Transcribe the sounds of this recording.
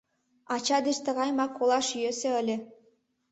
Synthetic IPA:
ɑt͡ɕɑd̪eʃt̪ə̆ɣɑjmɑkːolˠɑʃjøsĕəlʲĕ

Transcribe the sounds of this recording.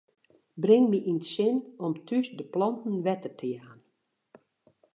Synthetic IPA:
brɪŋmiʔinsɪnɔmtʰysdəplɔntn̩ʋɛtərtʰəjaːn

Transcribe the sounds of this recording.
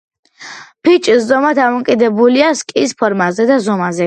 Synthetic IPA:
pʰit͡ʃʼiszɔmad̪amɔkʼid̪ɛbuliaskʼispʰɔɾmazɛd̪azɔmazɛ

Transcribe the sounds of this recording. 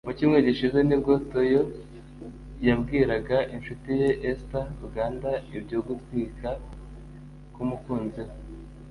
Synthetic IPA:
muciːmŋe̞ɟiʃize̞nibɡotojo | jabɡiːɾaɡaʔinʃutije̞ʔestaɾuɡaːndaibɟo̞ːɡutwiːka | kumukuːnze

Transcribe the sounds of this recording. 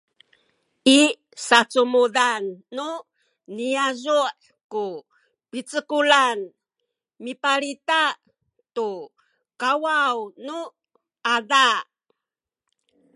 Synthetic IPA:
ʔi | sat͡sumudanːu | niazuʔ | ku | pit͡səkulan | mipaɾitaʔ | tu | kawawnu | ʔada

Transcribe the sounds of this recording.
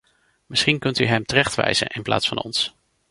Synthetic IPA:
mɪsχinkɵntyɦɛmtərɛχtʋɛ̰jz̥ə̰nʔɪnpla̰ːtsfɑnɔ̰ns

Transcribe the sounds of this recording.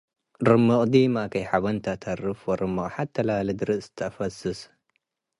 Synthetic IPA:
ɾɨmːɨqʼd̪iːmakʰɐjħaβɐnt̪ʰat̪ʰɐrɨfwɔɾɨmːɨʔʼħad̪̚t̪ʰːɐlaːlɨd̪ɨɾɨsst̪ʰafɐsɨs

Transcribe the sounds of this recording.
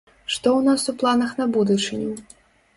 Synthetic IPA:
ʂt̪ɔwnasuplˠanɐxnɐbud̪ut͡ʂɨnʲɛ

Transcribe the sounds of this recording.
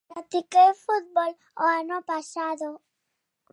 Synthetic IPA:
at̪ikefut̪̚bol | oanopasaðo

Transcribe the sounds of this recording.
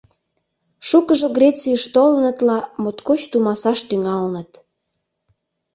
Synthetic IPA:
ʃukəʒəɣrʲet͡sijəʃt̪olənət̪lɑmot̪kot͡ɕt̪umɑsɑʃt̪yŋɑlnət̪

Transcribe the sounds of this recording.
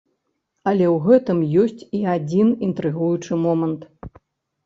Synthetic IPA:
ɐlʲɛwɣɛt̪ɨmjɔsʲt͡sʲiad͡zʲinint̪ɾɨɣujut͡ʂɨmɔmɐnt̪

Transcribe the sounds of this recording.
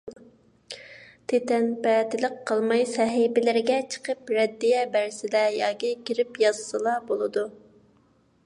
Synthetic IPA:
t̪ʰet̪ɛnpɛːt̪ɪlɪqʰːəlˠmɑjsɛɦibɪlɪɾɪɡʲɛt͡ʃʰə̥qʰəpɾɛd̪ːijɛbæɾsɪd̪ɛjɑːkʲikʲʰiɾɪpjɑzsɨlˠɑbolˠɨd̪u

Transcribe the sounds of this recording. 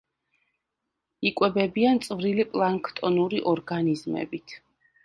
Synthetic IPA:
ikʼwɛbɛbiant̪sʼvɾilipʼlˠaŋkʰt̪ʼɔnuɾiʔɔɾɡanizmɛ̰bit̪ʰ

